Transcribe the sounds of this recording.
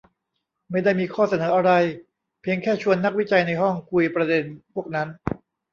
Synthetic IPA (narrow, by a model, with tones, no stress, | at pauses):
ma˥˩jda˥˩jmiː˧kʰɔː˥˩sa˧nɤː˩˦ʔa˧ɾa˧j | pʰi˧əŋkʰɛː˥˩t͡ɕʰu˧ənːa˦˥k̚wi˦˥t͡ɕa˧jna˧jɦɔ˥˩ŋkʰu˧jpɾa˧de˧npʰu˥˩ək̚na˦˥n